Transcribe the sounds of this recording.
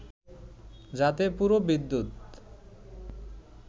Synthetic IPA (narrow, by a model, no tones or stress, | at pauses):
d͡ʑat̪epuɾobid̪ːut̪